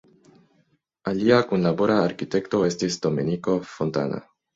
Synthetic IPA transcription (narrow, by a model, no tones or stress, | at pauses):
aliakunlaboɾaːɾkit̪ekt̪oest̪isd̪omeniko̞font̪a̰na̰